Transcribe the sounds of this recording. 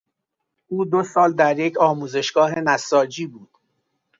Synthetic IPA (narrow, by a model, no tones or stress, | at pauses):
ʔuːd̪osɒːld̪æɾjecʰɒːmuːze̞ʃɡ̥ɒːɦe̞næsɒːd͡ʒiːbuːd̪̥